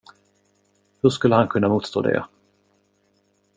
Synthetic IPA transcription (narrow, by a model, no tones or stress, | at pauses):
hɵʂkɵlːəhankʰɵnːamuːt̪st̪o̰ːd̪ɛ̰